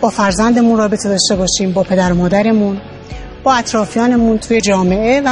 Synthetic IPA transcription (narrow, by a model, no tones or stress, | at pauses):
b̥ɒːfæɾzænd̪e̞munrɒːbe̞t̪ʰe̞d̪ɒːʃt̪e̞bɒːʃiːmbɒːpʰe̞d̪æɾomɒːd̪æɾe̞mun | b̥ɒːæt̪ɾɒːfijɒːne̞munt̪ʰuːje̞d͡ʒɒːme̞ʔe̞væ